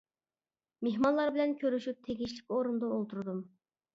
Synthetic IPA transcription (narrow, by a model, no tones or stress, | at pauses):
meɦmɑnlˠɑɾbɪlɛnkʲʰøɾyʃyp̚t̪ʰeɡʲiʃlɪkʲoɾund̪ɑolˠt̪ʰuɾd̪um